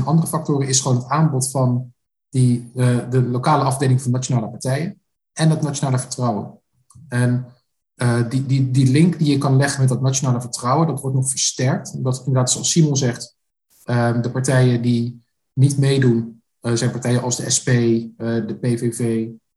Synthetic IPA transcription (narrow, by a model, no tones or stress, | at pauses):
nʔɑndərəfɑk̚tʊːɾənɪsχəʋoːnɦətaːnbɔtfɑn | didəlowkaːləɑvdejlɪŋvɑnːat͡ʃonaːləpɑɹtɛjən | ɛndɑtnat͡ʃonaːləvəɹtrʌwə̰n | ɛn | ədididilɪŋkdijəkɑnlɛχənmɛt̚dɑtnat͡ʃonaːləvəɹtrɔwəndɑtʋɔɹtnɔχfəɹstɛɹk̚tdɑtɪndəɹdaːtsoɑsimɔlˠzɛχt | ədəpɑɹtɛjəndi | nitmejdun | zɛjnpɑɹtɛjənʔɑzdəʔɛspejdəpejvevej